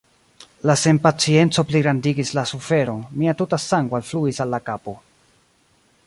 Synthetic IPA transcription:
lase̞mpat͡sie̞nt͡so̞pliɡɾandiɡislasufe̞ɾo̞nmiatutasaŋɡoalfluisalːakapo̞

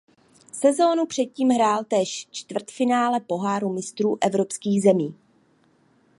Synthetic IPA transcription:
sɛzo̞nupr̥ɛt̪̚ciːmɦɾaːlt̪ɛːʃt͡ʃt̪vr̩t̪fɪnaːlɛpo̞ɦaːɾumɪst̪ɾuːʔɛvɾo̞pskiːɣzɛmiː

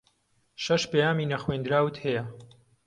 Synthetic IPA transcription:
ʃɐʃpejaːmiːnɐxwend̪ɾaːwɨt̪hɛjɐ

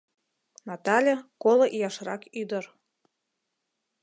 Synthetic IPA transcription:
nɑt̪ɑlʲekoloʔijɑʃrɑkyd̪ər

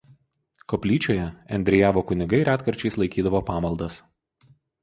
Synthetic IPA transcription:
kɔpʲlʲiːt͡ʃʲoːjɛɛnʲd̪ʲɾʲɪjæːʋoːkʊnʲɪɡɐɪɾæːt̪kɐɾʲt͡ʃʲɛɪslˠɐɪkʲiːd̪ɐʋoːpɑːmɐlˠd̪ɐs

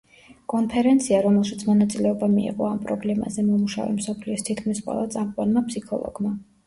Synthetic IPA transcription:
kʼɔnpʰɛɾɛnt̪sʰiaɾɔmɛlˠʃit̪sʰmɔnat̪sʼilɛɔbamiḭʁʼɔampʼɾɔblɛma̰zɛmɔmuʃa̰vɛ̰msɔpʰliɔst̪ʰit̪̚ʰkʰmisqʼwɛ̰lˠat̪sʼamvʼanmapsikʰɔlˠɔ̰ɡ̥ma

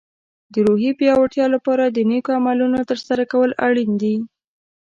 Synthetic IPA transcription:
d̪əɾoɦipjɑwaʈjɑlapɑɾad̪ənekoamalunot̪əɾsaɾakawəlaɽind̪i

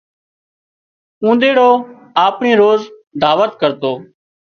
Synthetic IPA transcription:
ũːnd̪eːɽoː | aːpɳiːɾoːzd̪ʱaːʋət̪kəɾt̪oː

